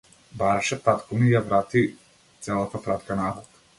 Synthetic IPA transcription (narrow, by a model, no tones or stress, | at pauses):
baɾaʃɛt̪at̪kumijavɾat̪i | t̪sɛlˠat̪apɾat̪kanavɔt̪